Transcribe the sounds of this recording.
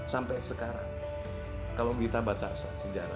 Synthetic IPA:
sampɛjsəkaɾa̰ŋ | kalokit̪abat͡ʃa̰s | səd͡ʒaɾa

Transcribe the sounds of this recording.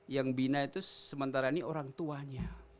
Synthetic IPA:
jaŋbinait̪usəmənt̪aɾainioɾaŋt̪uaɲa

